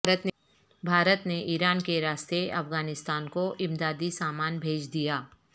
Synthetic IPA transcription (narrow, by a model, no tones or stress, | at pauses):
ət̪ | bʱaːɾət̪neʔiːɾaːnkeɾaːst̪eɐ̰fɡaːnɪst̪aːnkoʔɪ̃md̪aːd̪isaːmaːnbʱeːd͡ʒd̪ijaː